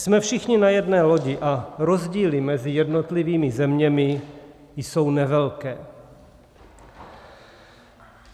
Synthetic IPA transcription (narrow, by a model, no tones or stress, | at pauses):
smɛfʃɪxɲɪnajɛdnɛːlo̞ɟɪʔaɾo̞zɟiːlɪmɛzɪjɛdnot̪liviːmɪzɛmɲɛmɪ | jso̞wnɛvɛlkɛː